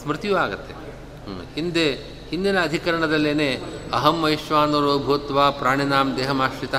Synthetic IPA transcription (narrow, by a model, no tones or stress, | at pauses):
smɾɪt̪ijuaːɡɐt̪ːe | hind̪eː | hind̪inɐːd̪ʱikɐɾɐɳɐd̪ɐlːeːneːɐɦɐmːɐjiʃʋaːnuɾoːbʱuːt̪ʋaːpɾaːɳinaːmd̪eːɦɐmaːʃʋit̪ɐ